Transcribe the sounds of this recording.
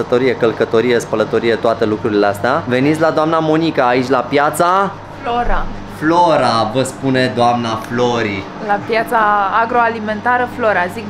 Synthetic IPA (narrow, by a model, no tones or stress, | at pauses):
ət̪o̞ɾijekəlkət̪o̞ɾijespələt̪o̞ɾijet̪oat̪elukɾuɾileast̪eave̞nit̪sʲlad̪oamnamo̞nikaːit͡ʃʲlapjat̪sa | floɾa | floɾavəspune̞d̪oamnafloɾi | lapjat̪saːɡɾo̞alime̞nt̪aɾəflo̞ɾazik